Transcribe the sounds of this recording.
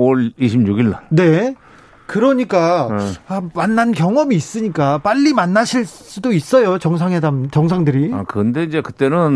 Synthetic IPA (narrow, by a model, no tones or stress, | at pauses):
oɭiɕʰimɲuɡiɭːanne̞ | kɯɾʌɲik͈aamanːankjʌŋʌmiːs͈ɯɲik͈ap͈aʎːimanːaɕʰiɭs͈udois͈ʌjot͡ɕʌŋs̬ʰaŋɦe̞damt͡ɕʌŋs̬ʰaŋdɯɾiakɯnde̞id͡ʑe̞kɯt͈e̞nɯn